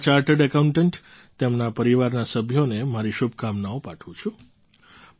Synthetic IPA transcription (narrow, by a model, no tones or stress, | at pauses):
t͡ʃaɾʈəɖəkaũɳʈəɳʈ | t̪emnapəɾiʋaɾnasəbʱjonemaɾiʃubʱkamnaopaʈʰũt͡ʃʰũ